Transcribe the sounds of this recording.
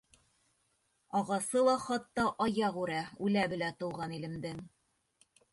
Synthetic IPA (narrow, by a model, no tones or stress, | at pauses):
ɑʁɑsɤlˠɑχɑt̪ːɑʔɑjɑʁʉɾæʉlæbɘ̆læt̪ɤ̆wʁɑnilɘ̆md̪ɘŋ